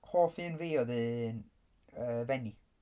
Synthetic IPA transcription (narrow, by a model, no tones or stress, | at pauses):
hoːfiːənviːɔðɨn | əːvɛni